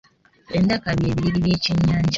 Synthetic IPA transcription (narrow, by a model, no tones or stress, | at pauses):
endakaβje̞ːβiɾiɾiβje̞ːceɲːaːɲɟa